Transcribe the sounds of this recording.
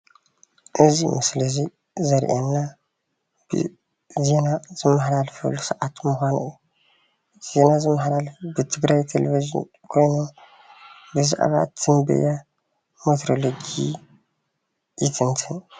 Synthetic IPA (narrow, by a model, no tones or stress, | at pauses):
ʔɨzimɨslɨzi | zɐɾʔenːa | b̰ | zenazɨmːɨħdalfɐ̰lːusɐʔat̪muxʷanɨjːu | z̥enazɨmːɨħɾalbɨt̪ʰɨɡɾajt̪ʰelḛviʒḭn | kʰo̞jno | bɨza̰ʔβa̰t̪ʰːɨmbɐ̰ja | met̪ʰɾoloɡi | jit̪ʰɨnt̪ʰɨn